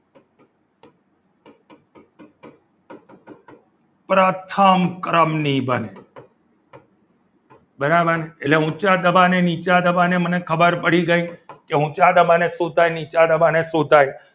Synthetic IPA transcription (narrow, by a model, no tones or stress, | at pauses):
pɾaːt̪ʰamkɾəmnĩbənḛ | bəɾabaneeleɦũt͡ʃad̪əbanenit͡ʃad̪əbanemənekʰəbəɾpəɽiɡəĩkeɦũt͡ʃad̪əbanesod̪ʱajnit͡ʃad̪əbanesod̪ʱaj